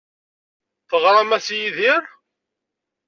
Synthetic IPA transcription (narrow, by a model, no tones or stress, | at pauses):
θəʁɾˤæmæsjiðɪɾ